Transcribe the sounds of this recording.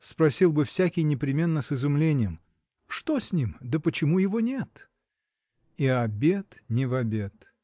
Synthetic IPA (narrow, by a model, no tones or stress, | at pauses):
spɾɐsʲilˠbɨfsʲækʲɪjnʲɪpɾʲɪmʲe̞nːəsɨzʊmlʲenʲɪjəm | ʂt̪osʲnʲimd̪əpət͡ɕɪmujɪvonʲet̪ | iɐbʲet̪nʲɪvɐbʲe̞t̪